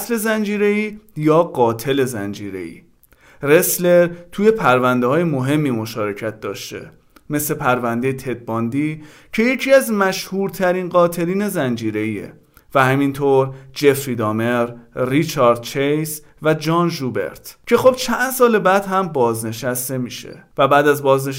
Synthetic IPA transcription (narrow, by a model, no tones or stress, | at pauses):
sle̞zænd͡ʒiːɾe̞iːjɒːɢɒːt̪ʰe̞le̞zænd͡ʒiːɾe̞̰ḭː | re̞sle̞ɾt̪ʰuːje̞pʰæɾvænd̪ehɒːjemo̞ɦe̞mːiːmo̞ʃɒːɾe̞cʰæt̪̚d̪ɒːʃt̪e̞̰ | me̞slepʰæɾvænd̪ejet̪ʰe̞d̪̚bɒːnd̪iː | cʰe̞je̞cʰiːæzmæʃhuːɾt̪ʰæɾiːnɢɒːt̪ʰe̞ɾiːne̞zænd͡ʒiːɾe̞iːḛ | væhæmint̪ʰoːɾd͡ʒe̞fɾid̪ɒːme̞ɾːit͡ʃʰɒːɾd̪̥̚t͡ʃʰejs | væd͡ʒɒːnʒube̞̰ɾt̪cʰe̞xo̞b̥t͡ʃʰænd̪sɒːlebæd̪hæmbɒːzne̞ʃæst̪e̞miːʃḛvæbæːd̪æzbɒːzne